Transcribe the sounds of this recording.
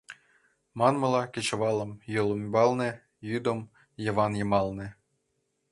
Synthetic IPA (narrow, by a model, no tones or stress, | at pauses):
mɑnmɤ̆lˠɑkʲet͡ɕɤ̆ʋɑlˠɤ̆mjɤlˠombɑlˠnĕ | jyd̪om | jɤ̆ʋɑnjɤ̆mɑlˠnĕ